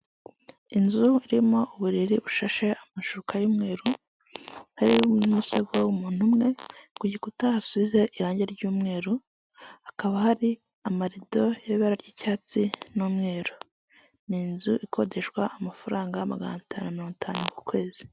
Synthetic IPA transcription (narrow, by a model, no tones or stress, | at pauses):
inzuiɾimo̞ʔuβuɾiɾiβuʃaʃe̞amaʃukajuːmŋe̞ːɾu | naɾinumuseɡwowumuːn̥humŋe̞kuɟikutahasuβize̞ʔiɾaːɲɟeɾɟuːmŋe̞ːɾu | hakaβahaɾi | amaɾido̞joβeɾaɾɟicaːt͡sinuːmŋe̞ːɾo | ninzuʔikʰo̞de̞ʃkwaʔamafaɾaːŋɡamaɡa̰natʰaːnuamiɾoːŋɡutʰaːnuku̥kwe̞ːzi